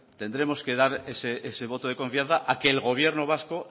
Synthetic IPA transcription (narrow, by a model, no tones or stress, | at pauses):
t̪e̞nd̪ɾe̞mo̞ske̞ðaɾeseʔese̞βo̞t̪oð̞e̞ko̞ɱfiãn̟θaʔakeːlɣo̞β̞je̞ɾnoβ̞asko̞